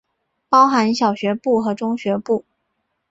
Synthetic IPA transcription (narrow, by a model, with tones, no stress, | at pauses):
pɑ˥ʊxa˧˥nɕjɑ˨˩ʊɕɥɛ˧˥pu˥˩xɤ˧˥ʈ͡ʂʊ˥ŋɕɥɛ˧˥pu˥˩